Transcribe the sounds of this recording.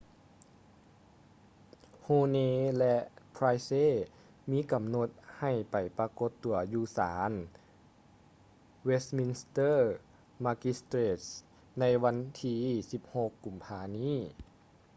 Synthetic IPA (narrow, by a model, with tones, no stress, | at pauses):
hoː˧neː˧lɛ˧ʔpʰɾaː˧jseː˧˥˨ | miː˧˥ka˨˩mno˧˦t̪̚ha˨˩jpa˨˩jpa˧ko˧˦t̪ːu˨˩ɐjuː˧saː˩˦n | we˧˥st̪̚mi˧nst̪ɤː˥ | ma˧ki˧˥st̪ɾeː˧˩t̪̚s | na˧˥jwa˧˥nt̪ʰiː˧si˧p̚ho˧kːu˨˩mpʰaː˧niː˥˨